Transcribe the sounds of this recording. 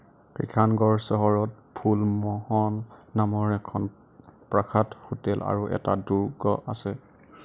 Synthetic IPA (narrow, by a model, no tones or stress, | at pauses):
kɹḭkʰanɡɔɹsɔɦɔɹɔt̚ | pʰulmɔhɔnːamɔɹɛkʰɔn | pɹakʰatxutɛla̰ɹuʔɛ̰ta̰duɹɡɔʔasɛ